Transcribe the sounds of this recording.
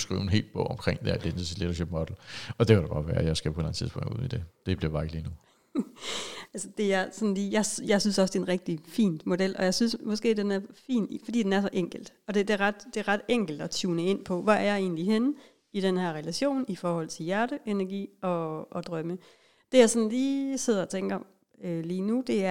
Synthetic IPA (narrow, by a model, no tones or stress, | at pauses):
sɡ̥ʁḭːʊenɦe̝̰ːl̥b̥ɔ̰ʊ̰ɒ̽mkʰʁeŋ̰d̥eɐd̥enəsileɾɐɕeb̥mɔd̥l̩ɒ̽d̥e̝kʰæɾ̥aɡ̥ɑ̈ʋæːɐjɑ̈ɪsɡ̥æpʰɔe̝lænət͡siðˠspɔ̰̽ŋ̰ɡṵð̰ˠid̥e̝d̥e̝b̥liɐ̥ɑ̈eɡ̥liːnu | ælsəd̥e̝æɐsɒ̽nliːjɑ̈ɪsjɑ̈ɪsynsɒ̽səd̥e̝enʁɛɡ̥̚d̥ifḭːn̥mo̝d̥el̰ʔɒ̽jɑ̈ɪsynsmɒ̽sɡ̥e̝̰ːd̥enæɐfḭːnfɒ̽d̥ḭːd̥enæɐsɒ̽ʔeŋ̰ɡ̥l̩d̥ɒ̽d̥ed̥e̝ɐʁɑd̥d̥e̝ʁɑ̈d̥eŋ̰ɡ̥l̩d̥ɒ̽t͡sʰuːnəe̝n̰pʰɒ̽ʋææɐjɑ̈ɪe̝̰ːnliɦen | id̥enhæɐʁɛlæɕo̝̰ːnifɒːhɒ̽l̰t͡sʰe̝ljæɐɾəʔenæɐɡ̥ḭːɒ̽ːd̥ʁɶmə | d̥e̝jɑ̈ɪsɒ̽nliːse̝ð̞̰ˠɐɒt͡sʰeŋ̰ɡ̥ɐɒm | øliːnud̥e̝æɐ